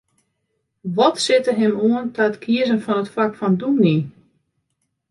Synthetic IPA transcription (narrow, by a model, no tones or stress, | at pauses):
ʋɔtsɪtəɦɪmuəntʰaətkʰiəzənfɔnətfakfɔndumni